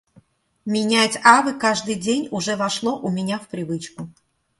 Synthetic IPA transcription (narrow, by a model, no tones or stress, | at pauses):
mʲɪnʲat͡sʲavɨkaʐd̪ɨjdʲenʲʊʐɛvɐʂlˠoʔʊmʲɪnʲafpɾʲɪvɨt͡ɕkʊ